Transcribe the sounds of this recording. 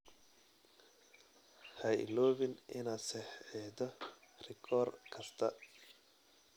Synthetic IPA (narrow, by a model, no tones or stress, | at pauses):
hɐj̰lɔːβɪnɪnaːsɛħɛːd̪ɔrɪkʰɔːrkʰɐst̪ʰɐ